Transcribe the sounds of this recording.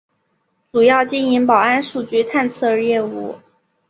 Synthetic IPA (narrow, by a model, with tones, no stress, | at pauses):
ʈ͡ʂu˨˩jɑ˥˩ʊt͡ɕi˥ni˧˥ŋpɑ˨˩ʊa˥nʂu˨˩t͡ɕy˧˥t̪ʰa˥˧nt͡sʰɤ˥˧jɛ˥˧ṵ˥˩